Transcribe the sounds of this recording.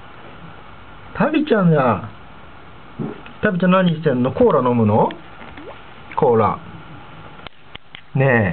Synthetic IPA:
t̪ʰabʲit͡ɕãŋa | t̪abʲit͡ɕãnaɲisẽ̞nːo̞ko̞ːɾano̞mɯ̟no̞ | kʰoːɾa̰ | ne

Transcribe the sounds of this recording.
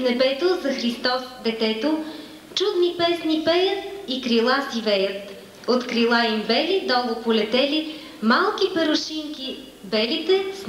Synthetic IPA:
nɛbɛt̪ozɐxɾist̪ɔsd̪ɛt̪ɛt̪o | t͡ʃud̪nipɛsnipɛjəikɾilˠasivɛjət̪ | ot̪kɾilˠaimbɛlid̪ɔɡəpolɛt̪ɛli | malˠkʲipɛɾoʃiŋkʲi | bɛlit̪ɛs

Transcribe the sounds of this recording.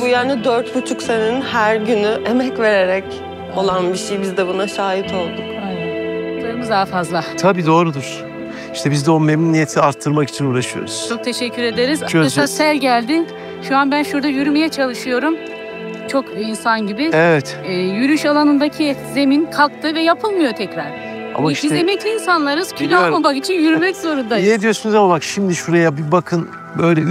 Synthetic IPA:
bujaːnid̪øɾt̪but͡ʃʰukseninhæɾɟynyʔemɛcve̞ɾeɾɛc | o̞lˠanbiʃejbizd̪ɛbunaʃaːjit̪ʰo̞lˠd̪uk | d̪oɾumuzd̪aːfazlˠat̪ʰabiːd̪o̞ːɾud̪uɾ̥ | iʃt̪ʰɛbizd̪ɛo̞memnunijet̪ʰiaɾt̪ʰːɯɾmaki̥t͡ʃʰinuːɾaʃɯjo̰ɾuz̥t͡ʃʰo̞k̚t̪ʰe̞ʃɛcʰːyɾe̞d̪e̞ɾizaasælʲɟælʲd̪in | ʃuanbænʃuɾd̪ajyɾymejɛt͡ʃʰalˠɯʃɯjo̞ɾum | t͡ʃʰo̞kinsanɟibɪevɛt̪ɛːjyɾyʃalˠanɯnd̪acʰize̞minkʰak̚t̪ʰɯvɛjapʰɯlˠmɯjo̞t̪ʰɛcɾaɾ̥ | a̰maʃiemeclʲiːnsanlˠaɾɯz̥cʰylaomakit͡ʃʰinjyɾymɛczo̞ɾund̪ajɛd̪ijosynyzalˠakʃimd̪iʃuɾajabibakʰɯn | bø̞jlʲɛ

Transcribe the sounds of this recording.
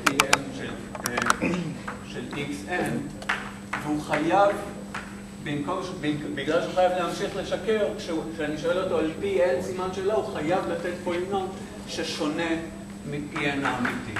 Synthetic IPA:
pielʃel | ʃeliksʔen | veuχajav | bimkomʃbibiɡlalʃeuχajavleɦamʃiχle̞ʃakeʁkʃeukʃeniʃoelo̞t̪oalpielsimanʃe̞lohuχajavlatetpoinot | ʃeʃo̞ne̞ | mipienaːmiti

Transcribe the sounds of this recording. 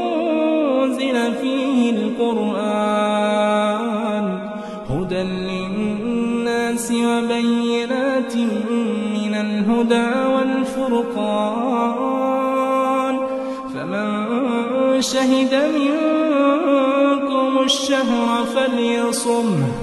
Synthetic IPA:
zɪlafiːhɪlqʊɾʔaː | n | hʊd̪anlɪnnːaːsɪwabajːɪnaːt̪ | mɪnalɦʊd̪aːwalfʊɾqɑ | n | faman | ʃaɦɪd̪amɪŋ | kʊmʊʃːaɦɾˤfaljɑsˤʊm

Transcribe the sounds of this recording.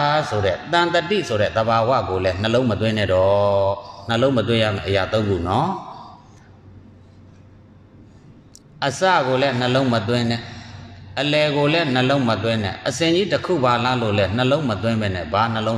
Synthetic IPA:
sʰoɾɛ̰t̪ãnt̪ətḭsʰoɾɛ̰d̪əbawä̰ɡolɛn̥əlõʊ̃mət̪̬wɪ̃nɛ̰̃dɔn̥əlõmət̪wɪ̃ja̰mɛ̰̃ʔəjat̪õʊ̃nṵnɔ | ʔəsa̰ɡolɛn̥əlõʊ̃mət̪wɪ̃nɛ̃ʔəlɛɡolɛn̥əlõʊ̃mət̪wɪ̃nɛ̰̃ʔəsɪ̃ɲd͡ʑitəkʰṵbalalo̰lɛn̥əlõʊ̃mət̪̬wɪ̃mbɛnɛ̰ban̥əlõʊ̃

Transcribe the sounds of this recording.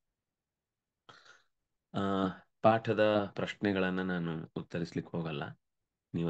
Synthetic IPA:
paːʈʰɐd̪ɐpɾɐʃɳɛɡɐɭɐnːɐnaːnuːt̪ːɐɾislikːeɦoːɡɐlːɐ̰ | niːʋ

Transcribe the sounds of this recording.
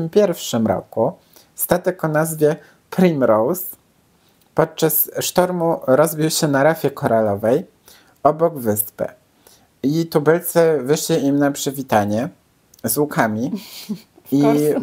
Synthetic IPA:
mpʲjɛɾfʂɘmɾɔ̰ku | st̪at̪ɛkɔnazvʲjɛ | pɾimɾɔws | pɔt̪̚t͡ʂasʂt̪ɔɾmuɾɔzbʲiwɕɛnaɾafʲjɛkɔɾalɔvɛj | ɔbɔɡvɘspɘ̰ | it̪ubɛlt̪sɛvɘʂlʲiʔimnapʂɘvʲit̪aɲɛ | zwukʰamʲi | i

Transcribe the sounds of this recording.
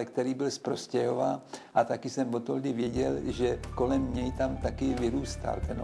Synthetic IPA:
ɛk̚t̪ɛɾiːbɪlspɾo̞scɛɦo̞vaːʔat̪akɪsɛmvot̪old̪ɪvjɛɟɛlʒɛko̞lɛmɲɛjt̪amt̪akɪvɪɾuːst̪a̰lt̪ɛn

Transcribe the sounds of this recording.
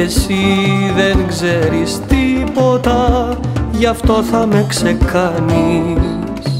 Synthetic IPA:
esiðe̞ŋɡze̞ɾist̪ipo̞t̪ɐ | ʝɐft̪o̞θɐme̞kse̞kɐni | s

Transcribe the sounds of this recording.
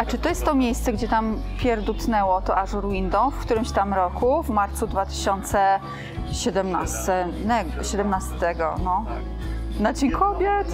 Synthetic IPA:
at͡ʂɘt̪ɔjɛst̪ːɔmʲjejst̪sɛɡd͡ʑɛt̪ampʲjɛɾd̪ut̪nɛwɔt̪ɔʔaʂɾwind̪ɔ̃w̃fkt̪uɾɘmɕt̪amɾɔkʰuvmaɾt̪sud̪vat̪ɘ̥ɕɔnt̪sɛ | ɕɛd̪ɛmna̰st̪ɛnɛɡɕɛd̪ɛmnast̪ɛɡɔ̰nɔ | nad͡ʑeɲkʰɔbʲjɛt̪

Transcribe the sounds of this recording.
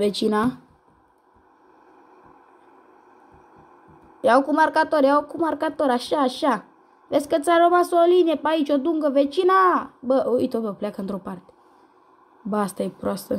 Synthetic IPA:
vet͡ʃina | jakumarkat̪oɾjawokumarkat̪oɾaʃaːʃa | veskəsaɾəmasoliniepait͡ʃod̪uŋɡəvet͡ʃinabəʔḭt̪ovəpleakəɨnt̪ɾopart̪e̥ | baast̪ajepɾoast̪ə

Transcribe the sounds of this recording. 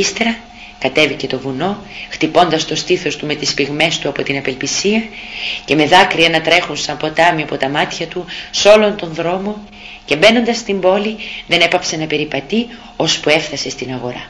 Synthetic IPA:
ist̪eɾɐ | kɐt̪e̞vice̞t̪o̞vuno̞xt̪ipo̞nd̪ɐst̪o̞st̪iθo̞st̪ume̞t̪ispiɣme̞st̪uɐpo̞t̪inɐpe̞lpisiɐce̞me̞ðɐkɾiɐnɐt̪ɾe̞xunsɐmpo̞t̪ɐmiɐpo̞t̪ɐmɐt̪çɐt̪uso̞lo̞nt̪o̞nðɾo̞mo̞ | ce̞be̞no̞nd̪ɐst̪imbo̞liðe̞ne̞pɐpse̞nɐpe̞ɾipɐt̪i | o̞spuefθɐse̞st̪inɐɣo̞ɾɐ̰

